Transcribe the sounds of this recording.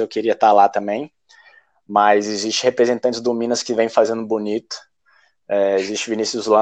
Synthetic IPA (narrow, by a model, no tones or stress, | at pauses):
ewkeɾiɐt̪alat̪ɐ̃mbẽj̃ | mɐzɪzist͡ʃɪhepɾezẽnt̪ɐ̃nt͡ʃɪzd̪ʊmĩnɐskɪvẽj̃fazẽnd̪ʊbunit̪ʊ̥ | ɛezisʃt͡ʃɪvinisʊzlɐ̃